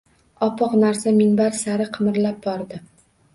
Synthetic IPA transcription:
ɒpʰɒqnaɾsamɪŋbaɾsaɾɪqʰɨmɾlap̚bɒɾd̪ɪ

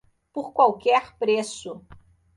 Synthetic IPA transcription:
poɾkwawkɛɾpɾesʊ

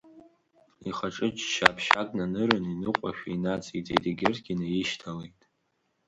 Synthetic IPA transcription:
iχaʈ͡ʂʼɨt͡ʃʃa̰ːpʰʃakʼnanɨɾɨninɨqʷʼaʃᶣainat͡sʼitʰʼediɡʲɪrʰɡʲinajɪʃtʰalejtʼ

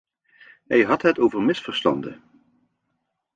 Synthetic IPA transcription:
ɦɛjɦɑtɦətowvəɹmɪsfəɹstɑ̰ndə̰

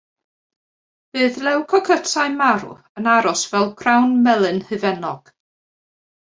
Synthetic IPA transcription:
b̥ɨːðlɛwkʰɔkʰətʰaɨmaɾʊ̰ | ənaɾɔsvɛlˠkʰrawnmɛlˠɨnhɨvɛnɔɡ̥

